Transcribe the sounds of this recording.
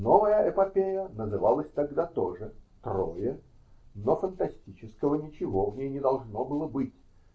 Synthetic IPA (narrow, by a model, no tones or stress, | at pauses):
novəjəʔɛpɐpʲejənəzɨvalˠəsʲt̪ɐɡd̪at̪oʐɨt̪rojə | nofənt̪ɐsʲtʲit͡ɕɪskəvənʲɪt͡ɕɪvovnʲejnʲɪd̪ɐlˠʐno̞bɨlˠəbɨtʲ